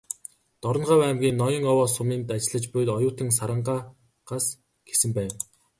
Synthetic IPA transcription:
t̪ɔɾɞ̆nɢaːwæmɡʲiːnɔjɞ̆ŋɔwɔːsʊmiːnt̪at͡ɕɪ̆ɮə̆t͡ɕpʊj̆t̪ɔjʊːt̪ə̆ŋs̬aɾə̆ɴɢaː | ɢ̥as | ɡ̥e̥sɘ̆mpæːw

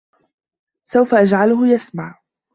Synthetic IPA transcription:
sawfaʔad͡ʒʕalʊɦʊjasmaʕ

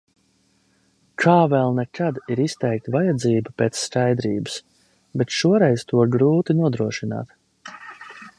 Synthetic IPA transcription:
kʰaːvɛlˠnɛkʰad̪iɾist̪ɛjk̚t̪vajad̪ziːbəpeːt̪sːkajd̪ɾiːbɨs | bet̪ʃuɔɾɛjzt̪uɔɾɡɾuːt̪inuɔd̪ɾuɔʃina̰ːt̪

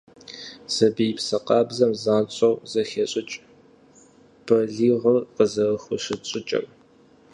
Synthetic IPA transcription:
z̥ɐbijpsɐqɑːbzɐmzaːnt͡ʃʼɐwzɐxeːɕʼɪt͡ʃʼ | b̥ɐɮiːʁəqəzɐrxʷʊɕɪt͡ʃʼɪt͡ʃʼɐ̰m

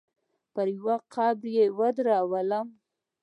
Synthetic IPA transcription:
pəɾjwaqɑbɾjewad̪ɾɑwəlam

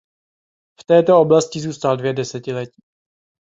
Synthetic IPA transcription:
ft̪ɛːt̪oo̞blascɪzuːst̪aldvjɛdɛsɛcɪlɛci̥ː

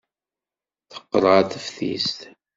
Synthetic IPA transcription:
θə̥qːəɾˤʁaθəfθḭst̪

